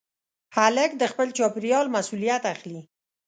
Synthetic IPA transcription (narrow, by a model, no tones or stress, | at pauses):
haləkd̪əxpəlt͡ʃɑpɪɾjɑlmasulijat̪axli